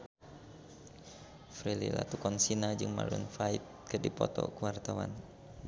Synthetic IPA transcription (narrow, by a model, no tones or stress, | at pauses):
fɾilḭla̰t̪ukɔnsinad͡ʒɨŋma̰lunfait̪̚kɨdipɔt̪ɔ̰kəwart̪awa̰n